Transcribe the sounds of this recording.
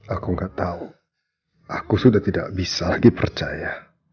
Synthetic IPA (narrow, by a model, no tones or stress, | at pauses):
akuŋɡaʔt̪au | akusudaht̪ida̰ʔbisalaɡipərt͡ʃaja